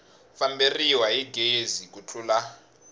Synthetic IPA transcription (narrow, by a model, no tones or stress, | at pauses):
famberiwaiɡezik̬ʼut͡ɬʰula